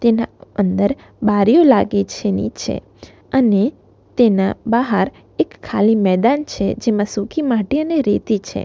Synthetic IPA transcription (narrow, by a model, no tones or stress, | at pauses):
t̪enaənd̪əɾ | baɾjolaɡet͡ʃʰenḭt͡ʃʰḛ | əne | t̪enãbaɦəɾ | ekʰːalimɛd̪ant͡ʃʰḛd͡ʒemãsukʰimaʈiəneɾet̪it͡ʃʰḛ